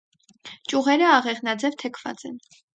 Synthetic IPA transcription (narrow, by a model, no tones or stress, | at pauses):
t͡ʃʼuʁɛɾəɑʁɛʁnɑd͡zɛvt̪ʰɛkʰv̥ɑ̰t͡sɛ̰n